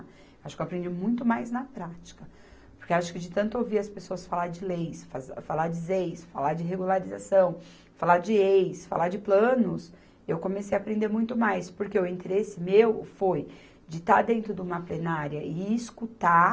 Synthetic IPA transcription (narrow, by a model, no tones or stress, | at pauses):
aʃʊkewapɾẽnd͡ʒimũj̃t̪ʊmajznɐpɾat͡ʃi̥kɐ | poɾkewaʃʊ̥kɪd͡ʒɪt̪ɐ̃nt̪ʊewviɾɐspesoɐsfalaɾd͡ʒɪlejsfazfalad͡ʒɪzejsfalad͡ʒɪɦeɡulaɾiza̰sɐ̃w̃ | falad͡ʒɪejsfa̰lad͡ʒɪplɐ̃nʊs | ewkõmesejapɾẽnd̪eɾmũj̃t̪ʊmajspoɾkeʊĩnt̪eɾesɪmewfoj | d͡ʒɪt̪aɾd̪ẽnt̪ɾʊd̪ũmɐplenaɾjɐʔɪːskut̪a